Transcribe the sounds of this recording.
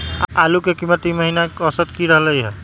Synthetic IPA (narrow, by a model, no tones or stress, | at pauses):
alukekimːət̪iməɦinaəsət̪kiɾəɦləiɦɛ